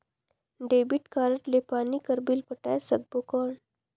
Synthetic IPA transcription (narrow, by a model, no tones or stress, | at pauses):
ɖeːbiʈkaːɾəʈlepaːnikɐɾbilpɐʈajsɐɡ̚bokoːɳ